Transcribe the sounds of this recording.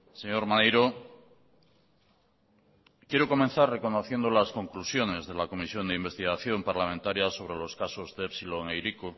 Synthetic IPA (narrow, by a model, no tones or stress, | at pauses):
seɲo̞ɾmanejɾo | kjeɾoko̞mẽn̟θarre̞ko̞noθje̞nd̪olasko̞ŋklusjo̞ne̞zðelako̞misjo̞nd̪eimbe̞st̪iɣ̞aθjo̞mpaɾlamẽnt̪aɾjaso̞β̞ɾe̞lo̞skasozðeepsiloŋejɾiko